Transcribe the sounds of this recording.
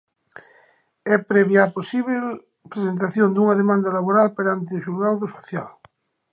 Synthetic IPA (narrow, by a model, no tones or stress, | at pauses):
ɛpɾɛβjaːposiβel | pɾesent̪aθjõnd̪uŋaðemãnd̪alaβoɾalpeɾant̪̬eʃulɣawðosoθjal